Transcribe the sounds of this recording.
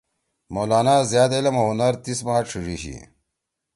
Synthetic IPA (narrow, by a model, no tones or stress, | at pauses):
moːlaːnaːzjaːd̪elɐmɐɦunɐɾt̪ismaːʈ͡ʂʰiʐiɕḭ